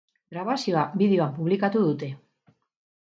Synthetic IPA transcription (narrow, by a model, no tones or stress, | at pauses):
ɡɾaβasioabiðeoampuβlikat̪uðut̪e̞